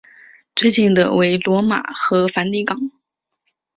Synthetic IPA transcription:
t͡swe˥˧ɪt͡ɕi˥˩nd̪ə̰˩we˧˥ɪlwɔ˧˥ma̰˨˩xɤ˧˥fa˧˥nt̪i˥˩kɑ˨˩˦ŋ

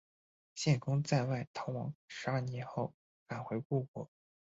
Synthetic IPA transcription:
ɕjɛ˥˩nkʊ˥ŋt͡sa˥˧ɪwa˥˩ɪt̪ʰɑ˧˥wɑ˧˥ŋʂ̩˧˥ɐ˞˥˩njɛ˧˥nxo˥˩ʊ | ka˨˩nxwe˧˥ɪku˥˩kwɔ˥˩˦

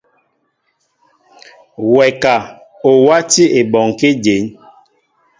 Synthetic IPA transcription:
wɛ˨ka˨ | o˨wa˦ti˦e˨ɓɔ˨ŋ˨ke˦d͡ʒe˨˦n

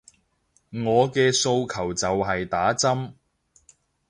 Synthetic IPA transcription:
ŋɔː˨˧kɛː˧so˧wkʰɐ˨˩wt͡sɐ˨wɦɐ˨jt̪aː˨˥t͡sɐ˥m

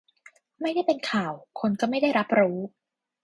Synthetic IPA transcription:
ma˥˩jda˥˩jpe˧nkʰaː˨˩wkʰo˧nkɔ˥˩ma˥˩jda˥˩jɾa˦˥p̚ɾuː˦˥

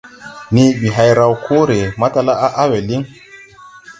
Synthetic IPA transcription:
ni˦ɓi˨ɦa˨jɾa˨wkʰo˦ɾe˨ma˦ta˨la˦ʔa˦ʔa˦we˨li˦ŋ

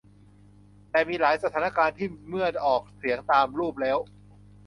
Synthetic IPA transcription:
t̪ɛː˨˩miː˧laː˩˦jsa˧t̪ʰaː˩˦na˦˥˩kaː˧nt̪ʰiː˥˩mɯ˥˩ənʔɔː˨˩k̚si˩˦əŋt̪aː˧mɾuː˥˩p̚lɛː˦˥w

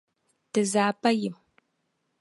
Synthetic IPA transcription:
tɨ˨zaː˨pa˦jɪ˨m

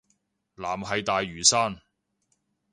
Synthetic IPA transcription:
laː˨˩mɦɐ˨˧jt̪aː˨jɥyː˨˩saː˥n

